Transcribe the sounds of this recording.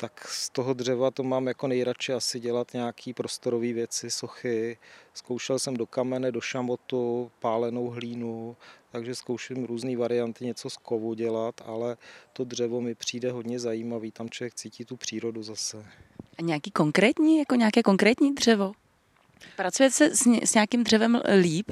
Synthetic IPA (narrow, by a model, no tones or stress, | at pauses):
t̪akst̪oɦod̪r̝ɛvat̪omaːmjako̞nɛjɾat͡ʃɪasɪɟɛlat̪ɲɛakʰiːpɾo̞st̪oɾoviːvjɛt͡sɪso̞xɪskowʃɛlsɛmdo̞kamɛnɛdo̞ʃamot̪upaːlɛno̞wɦliːnut̪aɡʒɛskowʃɪmɾuːzniːvaɾɪant̪ɪɲɛt͡soskovuɟɛlat̪a̰lɛt̪odr̝ɛvo̞mɪpr̝̥iːdɛɦo̞dɲɛzajiːmaviːt̪amt͡ʃlovjɛk̚t͡siːciːt̪upr̥iːɾo̞duzasɛʔaɲɛakiːko̞ŋkɾɛːt̪ɲiːjakoɲɛakɛːko̞ŋkɾɛːt̪ɲiːd̪r̝ɛvo̞ | pɾat͡sujɛt̪sɛssɲɛakɪmdr̝ɛvɛmliːp